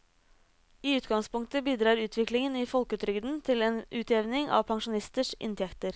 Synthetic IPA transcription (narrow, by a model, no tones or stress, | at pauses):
iːʉːt̪ɡɑŋspʊŋk̚t̪əbiːd̪ɾɑːɾʉːt̪ʰʋɪklɪŋəniːfɔlkʉːt̪ɾʏɡd̪n̩t̪ʰɪleːnʔʉːt̪ʰeːʋnɪŋʔɑ̰ːʋpʰɑŋʃʊnɪst̪əʂʔɪ̰nt̪ʰɛkt̪əɾ